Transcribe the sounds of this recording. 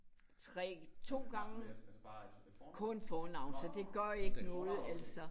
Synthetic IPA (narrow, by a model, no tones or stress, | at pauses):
t͡sʰʁɛ̰ːt͡sʰo̝̰ːɡ̥ɑ̈ŋə | kʰɔ̽nfɒːnɑ̈ʊ̰nsɒ̽d̥e̝ɡ̥ɶɐ̰e̝ɡ̥nɔ̽ːð̩ˠæl̰sɒ̽